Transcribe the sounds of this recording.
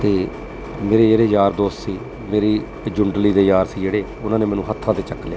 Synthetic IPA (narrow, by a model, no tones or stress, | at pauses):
t̪eː | meːɾeːd͡ʒeːɽeːjaːɾd̪oːssiː | meːɾiː | d͡ʒʊɳɖliːd̪eːjaːɾsiːd͡ʒeːɽeː | ʊnãːnẽːmɛ̃ːnũːɦət̪ʰːãːt̪eːt͡ʃəkːleaː